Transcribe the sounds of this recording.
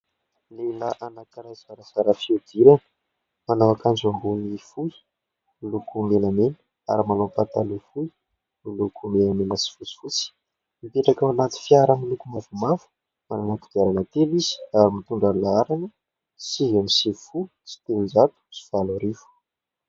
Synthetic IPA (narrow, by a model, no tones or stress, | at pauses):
lelaʔanakɾajzaɾasaɾafiud̪̥iɾanə̥ | manowakand͡ʒambunifu | lukumelamenu | a̰ɾimanopat̪alufu | ilukumelamenasi̥fut͡si̥fut͡si̥ | mipeʈ͡ʂakawanat̪i̥fjaɾamilukumavumafu̥ | mananat̪u̥ɡ̥aɾanət̪elizi̥aɾimit̪uɳɖ͡ʐalaaɾanə | sivamisifu | si̥t̪enizat̪u̥si̥v̥aluɾivu̥